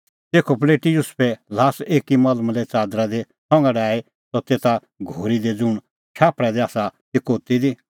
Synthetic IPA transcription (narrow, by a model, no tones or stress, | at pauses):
t̪eːkʰop̬leːʈijʊspʰɛlaːseːkimaːləmlɛt͡saːd̪ɾad̪e | sɔ̃ŋɡaɖaːe | sɔt̪eːt̪a | ɡʱoːɾid̪ed͡zʊɽ̃ | t͡ʃʰaːpɽɛd̪eaːsat̪ɪkoːt̪id̪i